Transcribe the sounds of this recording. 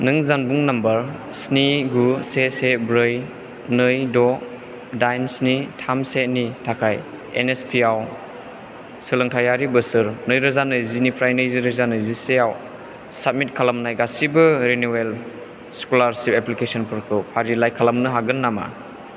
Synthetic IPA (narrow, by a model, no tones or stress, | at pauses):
nɯŋzanbuŋnɐmbɐɾ | sniɡusesebɾɯj | nɯjdɔ | dajnsnitʰamsenitʰakʰaj | ḛnespʰiaw | sɯlɯŋtʰajaɾibɯsɯɾnɯjɾɯzanɯzinipʰɾajnɯjziɾɯzanɯziseaw | sap̚mit̚kʰalamnajɡasibɯɾenuel | skulaɾsipeplikesɔnpʰɯɾkʰɯpʰaɾilajkʰalamnɯɦaɡɯnːama̰